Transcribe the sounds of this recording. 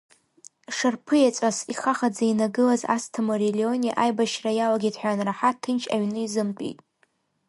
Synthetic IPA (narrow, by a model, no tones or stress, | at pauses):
ʂarpʰɨjat͡sʷʼasiχaχad͡zainaɡɨlaza̰stʰamoɾelionʲiʔajbaʃrajawaɡʲidħʷanraħatʰːɨnt͡ʃʰʼaɥnɨizɨmtʼḭtʼ